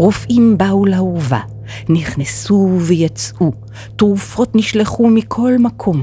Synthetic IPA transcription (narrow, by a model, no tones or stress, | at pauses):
ʁofʔimbaulauva̰ | niχnesuvejat͡sʔu | tʁufo̞tniʃleχumikʰo̞lmakʰo̞m